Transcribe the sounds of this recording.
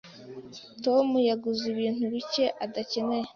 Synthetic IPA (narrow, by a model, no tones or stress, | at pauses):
to̞mujaɡuziβiːn̥huβice̞ʔadace̞ne̞je